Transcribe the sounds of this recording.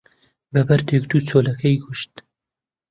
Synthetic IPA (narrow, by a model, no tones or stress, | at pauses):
bɐbɐɾt̪ʰek̚d̪uːt͡soːlɐkʰɐjɡʰʊʃt̪